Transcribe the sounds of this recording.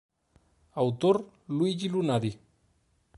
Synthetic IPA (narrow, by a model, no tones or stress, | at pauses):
awt̪or | lwid͡ʒilunaði